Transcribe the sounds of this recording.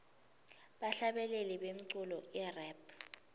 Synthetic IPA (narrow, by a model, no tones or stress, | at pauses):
ɓaɬaɓɛleliɓem̩ǀulɔʔɛrɛpʰ